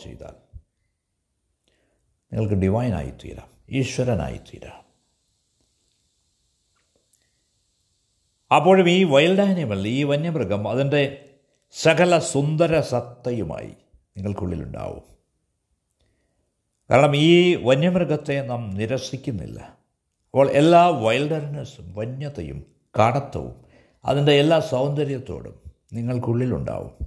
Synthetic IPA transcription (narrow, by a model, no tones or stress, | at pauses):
t͡ɕḛjt̪a̰ːl | niŋːɐɭkɨɖiʋɐjna̰ːjḭt̪ḭːɾa̰ːmiːɕʋɐɾɐna̰ːjḭt̪ʰːḭːɾa̰ːm | ɐpːo̞ːɻumiːʋɐjlɖaːjnjumɐɭːiːʋɐnjɐmrɨɡɐmɐðinde̞ | sɐkɐlɐsund̪ɐɾɐsɐt̪ːɐjuma̰ːjḭ | niŋːɐɭkuɭːḭlṵɳɖa̰ːʋṵm | ka̰ːɾɐɳɐmiːʋɐɲjɐmrɨɡɐt̪ːe̞nɐmniɾɐsikʲːunːḭlːɐ̰ | ɐpːoːɭʔelːaːʋɐjlɖɐɾnɐsumʋɐɲːɐt̪ːɐ̰jṵm | kaːɽɐt̪ːɐ̰ʋṵm | ɐ̰ðinde̞ːlːaːsɐwnd̪ɐɾjɐt̪ːo̞̰ːɽṵm | niŋːɐɭkuɭːilṵɳɖa̰ːʋṵm